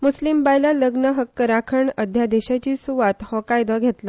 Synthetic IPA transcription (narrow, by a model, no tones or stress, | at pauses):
muslimbajlaləɡnəɦəkːəɾakʰəɳəd̪ʱjad̪eɕat͡ɕiːsuʋat̪hɔkajd̪əɡʱet̪la